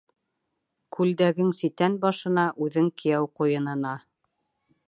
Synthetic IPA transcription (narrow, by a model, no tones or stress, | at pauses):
kʰʉld̪æɡɘŋsit̪ænbɑʃɤ̆nɑʔʉðɘŋkɘ̆jæwqujɤ̆nɤ̆nɑ